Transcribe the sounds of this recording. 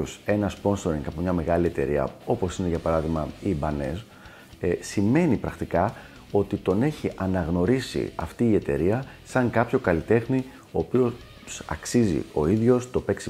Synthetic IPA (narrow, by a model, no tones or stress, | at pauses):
ose̞nɐspo̞nso̞ɾiŋɡɐpomɲɐme̞ɣɐlie̞t̪e̞̰ɾiɐ̰o̞po̞sine̞ʝɐpɐɾɐðiɣmɐibɐne̞̰s | sime̞nipɾɐxt̪ikɐ | o̞t̪it̪o̞ne̞çiʔɐnɐɣno̞ɾisḭɐ̰ft̪iːe̞t̪e̞̰ɾiɐ | sɐŋkɐpço̞kɐlit̪e̞xni | o̞ːpio̞ | sɐ̰ksizḭo̞̰iðʝo̞st̪o̞pe̞ksi